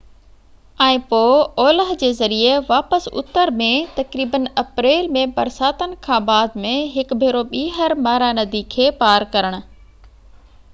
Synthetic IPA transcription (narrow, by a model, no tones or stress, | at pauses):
ɛ̃ːpoːɔːləɦd͡ʑeːzɐɾieʋaːpəsʊ̰t̪ːəɾmẽt̪ɐkɾiːbənɐpɾeːlmẽbɐɾsaːt̪ənɪ̆kʰãːbaːd̪mẽɦɪkbʱeːɾoɓiːɦəɾmaːɾanɐd̪ikʰeːpaːɾkɐɾəɽ̃ʊ̆